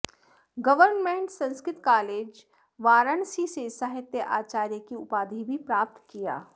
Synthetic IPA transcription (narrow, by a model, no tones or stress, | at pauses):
ɡɐʋəɾnmẽɳʈsɐ̃nskɾɪt̪kaːleːd͡ʒ | ʋaːɾənsisesəɦɪt̪jəʔaːt͡ʃaːɾjəkiʊpaːd̪ʱibʱipɾaːp̚t̪kija̰ː